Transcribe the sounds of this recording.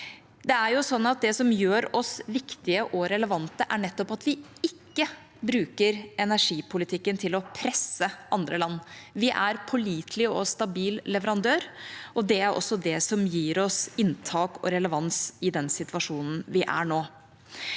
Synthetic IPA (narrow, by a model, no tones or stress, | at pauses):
d̪ɛæɾjʊsɔnːɑt̪̚d̪ɛsɔmjøːɾɔsʋɪkt̪ɪəʔɔɾɛləʋɑnt̪əʔæɳɛt̪ːɔpɑt̪ʋɪɪkːə | bɾʉːkəɾɛnæʂiːpʰʊlɪt̪ʰɪkːənt̪ʰɪlɔpʰɾɛsəʔɑnd̪ɾəlɑnːʋɪʔæɾpʰɔliːt̪ʰlɪɔst̪ɑbiːllɛʋəɾɑnd̪øːɾʔɔd̪ɛæɾʔɔ̰sːɔd̪ɛsɔmjiːɾɔsɪnt̪ʰɑːkɔ̰ɾɛləʋɑnsɪd̪ɛnsɪt̪ʋɑʂuːnn̩ʋɪʔæ̰ɳoː